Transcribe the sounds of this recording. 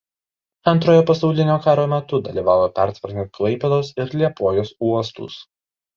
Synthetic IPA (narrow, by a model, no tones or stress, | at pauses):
ɐnˑt̪ɾoːjoːpɐsɐʊlʲɪnʲoːkɑːɾoːmʲɛt̪ʊd̪ɐlʲiːʋɑːʋoːpʲæˑɾʲt̪ʋʲɐɾʲnʲnt̪̚klˠɐɪpʲɛd̪oːsɪɾlʲiɛpoːjoːsuɔst̪ṵːs